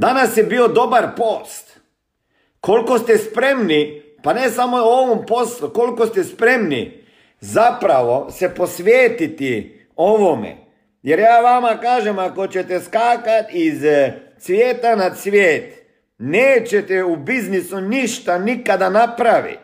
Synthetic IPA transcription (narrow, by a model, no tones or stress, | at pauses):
d̪anasjebio̞d̪o̞baɾpoːst̪ | kolko̞st̪ɛspɾe̞mni | panesamo̞oʋompo̞sluko̞lkost̪ɛspɾe̞mnḭ | zapɾaʋosepo̞sʋjeːt̪it̪i | o̞ʋomḛ | jeɾjaːʋamakaːʒemako̞t͡ɕet̪eskaːkat̪iz | sʋʲjeːt̪anad̪sʋjeːt̪ | neːt͡ɕet̪eubiznisuniʃt̪anikad̪anapɾaʋḭt̪